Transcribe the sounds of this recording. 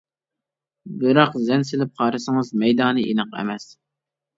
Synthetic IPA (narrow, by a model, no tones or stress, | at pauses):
bɨɾɑqzɛnsɪlɪp̚qʰɑːɾɨsɨŋɨzmɛjd̪ɑːnɨʔinɨqɛ̰mɛs